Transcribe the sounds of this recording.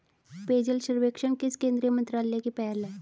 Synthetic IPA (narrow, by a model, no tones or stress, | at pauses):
peːd͡ʒəlʃəɾʋeːkʃəɳkɪskẽːnd̪ɾijəmə̃nt̪ɾaːlekipɛːɾlɛː